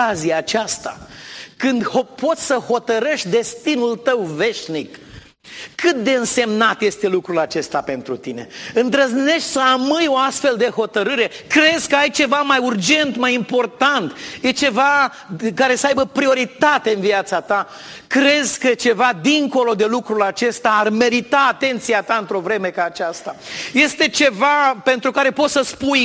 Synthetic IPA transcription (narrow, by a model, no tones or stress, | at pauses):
aziaːt͡ʃast̪a̰kɨnd̪hopo̞t̪sʲsəho̞t̪əɾeʃt̪ʲd̪e̞st̪inult̪əwve̞ʃnikːʰ | ɨt̪̚d̪e̞ɨnse̞mnat̪je̞st̪e̞lukɾulat͡ʃe̞st̪ape̞nt̪ɾut̪ine̞̰ɨnd̪ɾəzne̞ʃt̪ʲsəamɨjo̞ast̪fe̞ld̪e̞ho̞t̪əɾɨɾe̞kɾe̞zkəajt͡ʃe̞vamajurd͡ʒe̞nt̪majimpo̞rt̪ant̪je̞t͡ʃe̞va | kaɾe̞səajbəpɾio̞ɾit̪at̪e̞ɨnviat̪sat̪a | kɾe̞zʲkət͡ʃe̞vad̪iŋko̞lo̞d̪e̞lukɾulat͡ʃe̞st̪aːrme̞ɾit̪aːt̪e̞nt̪siat̪aɨnt̪ɾo̞vɾe̞me̞kaːt͡ʃast̪aje̞st̪e̞t͡ʃe̞vape̞nt̪ɾukaɾe̞po̞t̪səspuj